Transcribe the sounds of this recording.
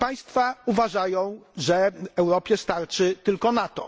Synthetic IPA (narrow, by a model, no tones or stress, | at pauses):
paj̃st̪fauvaʐajɔ̃w̃ʐɛɛwɾɔpʲjɛst̪aɾt͡ʂɘt̪ɘlkɔnat̪ɔ̰